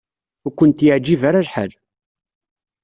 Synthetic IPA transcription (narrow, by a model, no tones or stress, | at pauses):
ʊkʷːənt̪jəʕd͡ʒːivaɾaʒħə̰l